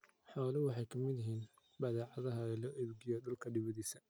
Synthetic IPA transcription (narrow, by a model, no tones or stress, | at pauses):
ħɑwlɐwɑħɑjkʰɐmɪd̪ɪɦiːn | bɐðɛːʕɑðɐɦɐɛlɔːʔɛbɡɪjɔdʊlkʰɐɖɪβɐðiːsɐ